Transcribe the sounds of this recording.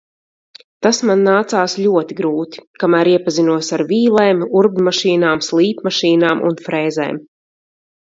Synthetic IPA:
t̪asmanːaːt̪saːslʲuɔt̪iɡɾuːt̪i̥kamæːɾiɛpazinuɔsaɾviːlˠɛːmuɾbnmaʃiːnaːmslˠiːpmaʃiːnaːmʔṵnfɾɛːzɛ̰ːm

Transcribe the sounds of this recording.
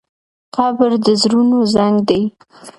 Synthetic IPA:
qɑbɪɾd̪əzɾunozaŋɡd̪aj

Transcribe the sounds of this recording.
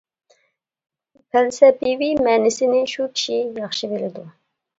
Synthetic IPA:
pʰælsɛbivimɛːnɪsɪnɪʃukʲʰi̥ʃijɑχʃɨbelɪd̪u

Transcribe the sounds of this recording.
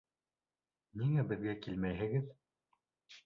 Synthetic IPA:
niŋæbɘ̆ðɡækilmæjɦɘ̆ɡɘð

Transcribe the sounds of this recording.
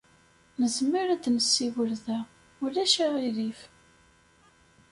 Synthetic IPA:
nəzmiɾæd̪nəsːiwəɾðæ | ulæʃæʁiðif

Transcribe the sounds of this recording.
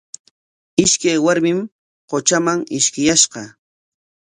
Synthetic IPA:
ɪʃkajwaɾmɪm | qot͡ʃamaŋɪʃkɪjaʃɢɑ

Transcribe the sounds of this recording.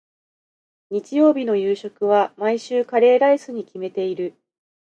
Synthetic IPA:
ɲ̟it͡ɕijo̞ːbʲino̞jɯːɕo̞kɯ̟β̞amaiɕɨːkaɾe̞ːɾaisɨɲ̟ikʲime̞t̪e̞iɾɯ̟

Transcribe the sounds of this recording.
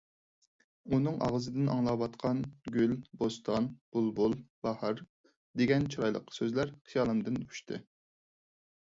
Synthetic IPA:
unɨŋʔɑ̰ʁzɨd̪ɪnʔɑ̰ŋlˠɑwɑt̪qʰɑnɡʲylbost̪ʰɑnb̥ulˠbolˠbɑhɑɾ | d̪eɡʲɛnt͡ʃʰiɾɑjlˠə̰qʰːə̥søzlæɾχʰijɑːlˠɨnd̪ɨny̥ʃt̪ʰɨ̰

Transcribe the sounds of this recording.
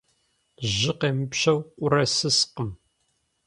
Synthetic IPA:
ʑɪqeːmɨpɕɐwqʷʼʊɾɐsɨsqəm

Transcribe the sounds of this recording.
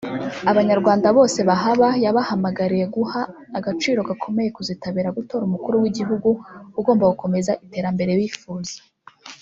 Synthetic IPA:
aβaɲaɾɡwaːndaβo̞ːse̞βaɦaβajaβahamaɡaɾije̞ɡuhaː | ɡat͡ʃiːɾo̞ɡakʰo̞me̞je̞kuzitaβiːɾaɡuto̞ːɾumukuɾuwiɟiɦuɡuuɡo̞ːmbaɡuko̞me̞zaʔite̞ːɾambe̞ɾe̞βiːfuːz̥e̥

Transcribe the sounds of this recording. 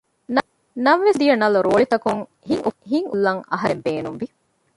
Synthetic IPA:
n | nɐmʋesd̪ijɐnɐluɾoːɭit̪ɐkuŋ | hiŋʔuhiŋulːɐŋɐ̰ɦɐɾembeːnumʋi

